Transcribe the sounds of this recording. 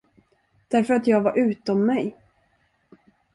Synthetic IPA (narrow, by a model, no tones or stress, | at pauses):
d̪̥æɾfœɾat̪jɑːɡvaɾʔʉ̟ːt̪ɔmːɛj